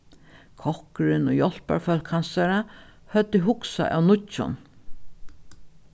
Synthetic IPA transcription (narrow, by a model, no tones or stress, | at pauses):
kʰɔhkɾɪnʊjɔl̥pa̰ɹfœlkhansaɾa | hœt̪ːɪɦʊksa̰ʔæ̰wnʊʊ̰n